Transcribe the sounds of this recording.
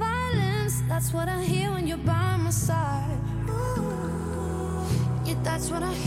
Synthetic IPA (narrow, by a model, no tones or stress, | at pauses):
vaɪlˠɨ̃nsðætswʌɾãɪɦiɹɪ̃njə˞baɪ̃məsaɪd | jɨðætswʌɾaɪ